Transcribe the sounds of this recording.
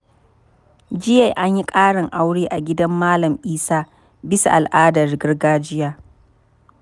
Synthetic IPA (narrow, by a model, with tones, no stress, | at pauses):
d͡ʒɪ˦ja˨jʔa˦ɲji˦kʼaː˦ɽɪ˨ŋʔa˦wɽeː˦ʔa˨ɡʲɪ˦dɐ˦mːaː˦lɐ˨mʔiː˦saː˦ | bɪ˦sa̰˨ʔa˨lʔaː˦dɐ˨rɡɪ˦rɡaː˦d͡ʒɪ˦jaː˦